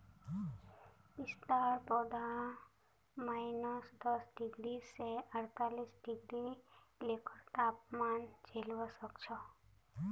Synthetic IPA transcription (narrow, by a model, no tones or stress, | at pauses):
ɪst̪aɾpɔd̪a | maːɪnəsd̪əsɖɪɡɽiseʔəɽt̪alisɖɪɡɾi | lekʰəɾt̪aːpmand͡ʒelʋosəkt͡ʃʰɔ